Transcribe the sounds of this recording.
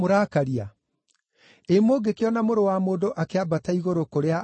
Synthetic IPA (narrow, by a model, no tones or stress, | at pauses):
oɾakaɾia | emoɡekeɔnamoɾowamoːdoʔakeabataiɣoɾokoɾea